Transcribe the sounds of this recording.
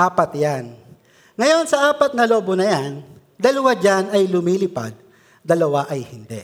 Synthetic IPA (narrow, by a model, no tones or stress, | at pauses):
ʔaːpɐt̪jan | ŋɐjo̞nsɐʔaːpɐt̪̚nɐlo̞ːbonɐjan | d̪ɐlɐwad͡ʒanɐjlʊmiːlɪpa̰d̪̚ | d̪ɐlɐwaʔɐjhɪnd̪ɛ̰